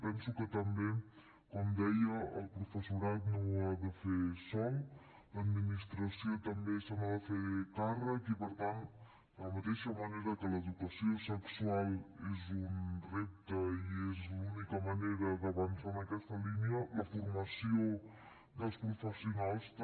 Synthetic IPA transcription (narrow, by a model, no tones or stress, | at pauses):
pɛnsukət̪əmbe | kɔmd̪ɛjəəlˠpɾufəsuɾat̪noaðəfesɔw | ləd̪minist̪ɾəsiot̪əmbesanaðəfekarəkipəɾt̪ant̪ | ləmət̪eʃəməneɾəkələðukəsiosəksualˠezunrep̚t̪əiezlunikəməneɾəðəβənsanəkɛst̪əliniələfuɾməsio | d̪əlˠspɾufəsiunalˠs